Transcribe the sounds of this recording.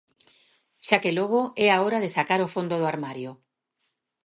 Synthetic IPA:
ʃakeloɣ̞oɛaoɾaðesakaɾofond̪oðoaɾmaɾjo

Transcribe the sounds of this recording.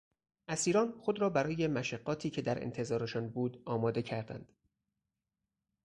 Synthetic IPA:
ʔæsiːɾɒːnxo̞d̪ɾɒːbæɾɒːje̞mæʃæɢːɒːt̪ʰiːcʰe̞d̪æɾḛnt̪ʰe̞zɒːɾe̞ʃɒːnbuːd̪ɒːmɒːd̪e̞cʰæɾd̪æ̰nd̪̥

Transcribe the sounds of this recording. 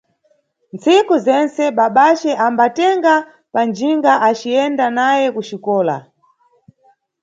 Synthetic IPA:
nt͡sikuzɛnt͡sɛɓaɓat͡ʃɛʔambatɛŋɡa | pand͡ʒiŋɡaʔat͡ʃiɛndanajɛkuʃikɔːla̰

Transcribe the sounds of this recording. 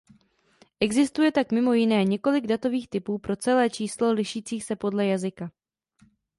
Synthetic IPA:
ʔɛɡzɪst̪ujɛt̪akmɪmo̞jɪnɛːɲɛko̞lɪɡdat̪o̞viːxt̪ɪpuːpɾo̞t͡sɛlɛːt͡ʃiːslo̞lɪʃiːt͡siːxsɛpo̞dlɛjazɪka

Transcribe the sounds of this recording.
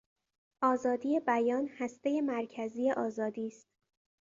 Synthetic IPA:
ʔɒːzɒːd̪iːje̞bæjɒːnhæst̪e̞je̞mæɾcʰæziːe̞ʔɒːzɒːd̪iːst̪̚

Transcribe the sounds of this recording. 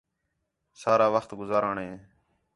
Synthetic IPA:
saːɾaːʋəxt̪ɡʊzaːɾãːɳɦẽː

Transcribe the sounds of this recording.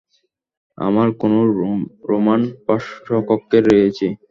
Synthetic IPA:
a̰maɾkonoɾomanpaʃokokːeɾːeet͡ɕʰe

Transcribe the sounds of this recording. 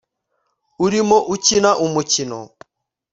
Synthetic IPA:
uɾimɔʔucinaʔumucinɔ̰

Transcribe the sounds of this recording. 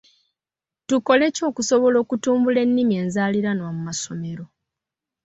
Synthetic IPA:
tuko̞le̞co̞ːkuso̞βo̞lo̞ːkutuːmbule̞nːimie̞ːnzaːliɾanwamumaso̞me̞ɾo̞

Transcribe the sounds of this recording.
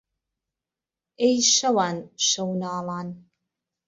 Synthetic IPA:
ejʃɐwaːnʃɐwnaːlaːn

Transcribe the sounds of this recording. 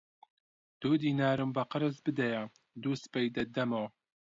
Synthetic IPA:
d̪̥uːd̪iːnaːɾɨmbɐqəɾɨzbɨd̪ɐja | d̪uspɐjd̪ɐd̪ɐmow

